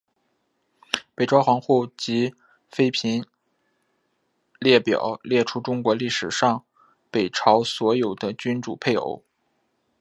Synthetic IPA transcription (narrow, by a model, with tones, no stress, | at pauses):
pe˨˩ɪʈ͡ʂɑ˥ʊxɑ˧˥ŋxu˥˩t͡ɕi˧˥ | fe˥ɪpʰi˧˥n | ljɛ˥˩pjɑ̰˨˩˦ʊljɛ˥˩ʈ͡ʂʰu˥ʈ͡ʂʊ˥ŋkwɔ˧˥li˥˩ʂɻ̩˨˩ʂɑ˥˩ŋ | pe˨˩ɪʈ͡ʂʰɑ˧˥ʊswɔ˧˥jo˨˩ʊd̪ə˦t͡ɕy˥nʈ͡ʂu˨˩pʰe˥˩ɪo̰˧˥ʊ